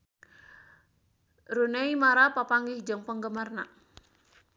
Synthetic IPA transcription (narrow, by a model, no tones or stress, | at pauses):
ɾuneimaɾapapaŋɡɪhd͡ʒəŋpəŋɡəmarna̰